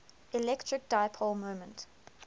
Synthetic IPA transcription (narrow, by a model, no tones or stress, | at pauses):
ilɛktʰɹɪk̚d̥aɪpʰɔlmõʊmə̃nt